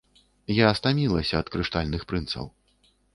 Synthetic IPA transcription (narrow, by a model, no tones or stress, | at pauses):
jaːst̪amʲilˠɐsʲɐːt̪kɾɨʂt̪alʲnɨxpɾɨnt̪sɐ̰w